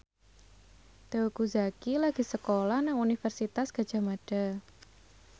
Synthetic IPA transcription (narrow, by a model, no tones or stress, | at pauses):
d̪̥auɡuzakilaɡ̥i̤səkolahnaŋunifərsit̪asɡ̥a̤̥ʒ̥a̤maɖ̥a̤